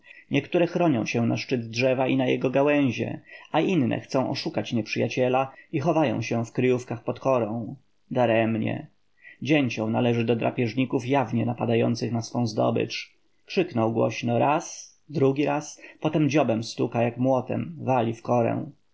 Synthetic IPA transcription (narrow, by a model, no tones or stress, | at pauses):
ɲʔɛkt̪uɾɛxɾɔɲɔ̰̃w̃ɕɛnaʂt͡ʂɘd̪dʐɛvaʔinajɛɡɔɡawɛ̃w̃ʑɛ̰aʔinːɛ̰xt̪sɔ̃w̃ʔɔ̰ʂukat͡ɕɲɛpʂɘjat͡ɕɛlaixɔvajɔ̰̃w̃ɕɛfkɾɘjufkaxpɔt̪kɔɾɔ̃w̃ | d̪aɾɛɛmɲɛ̰ | d͡ʑeɲt͡ɕɔ̃w̃nalɛʐɘd̪ɔd̪ɾa̰pʲjɛʐɲikufjavɲɛnapad̪ajɔ̰nt̪sɘxnasfɔ̃w̃zd̪ɔ̰bɘ̰t͡ʂ | kʂɘknɔwɡwɔ̰ɕnɔɾas | d̪ɾuɡʲiɾaspɔt̪ɛmd͡ʑɔbɛmst̪ukajakmwɔt̪ɛ̰mvalʲifkɔɾɛ̰w̃